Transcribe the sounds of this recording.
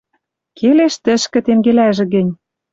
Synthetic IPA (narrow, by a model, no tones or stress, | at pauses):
kʰeleʃt̪ə̆ʃkɘ̆t̪emɡelæʒɘ̆ɣɘ̆nʲ